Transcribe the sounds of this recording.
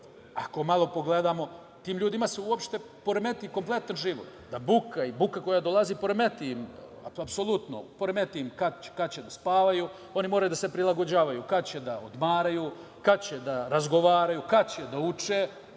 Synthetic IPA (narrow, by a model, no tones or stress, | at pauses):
ako̞malˠo̞po̞ɡled̪aːmo̞ | t̪iːmʎuːd̪imaseuopʃt̪e̞ | po̞ɾeme̞t̪iko̞mplˠe̞t̪anʒiʋo̰t̪d̪abukaibukako̞jad̪o̞lˠaziːpo̞ɾemet̪ima̰apso̞lˠut̪no̰po̞ɾeme̞t̪imkat͡ɕe̥kat͡ɕed̪aspaːʋaju | o̞nimoɾajud̪ase̞pɾilˠaɡo̞d͡ʑaːʋajukat͡ɕed̪aod̪maːɾajuː | kat͡ɕed̪aɾazɡo̞ʋaːɾajukat͡ɕed̪aut͡ʃeː